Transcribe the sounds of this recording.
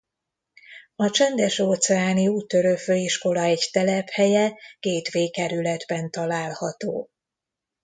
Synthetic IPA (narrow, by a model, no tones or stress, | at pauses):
ɒt͡ʃɛnd̪ɛʃoːt̪sɛaːniuːt̪ːø̞ɾøføːiʃko̞lɒɛɟt̪ɛlɛphɛjɛkeːt̪ʋeːkɛɾylɛd̪bɛnt̪ɒlaːlhɒt̪o̰ː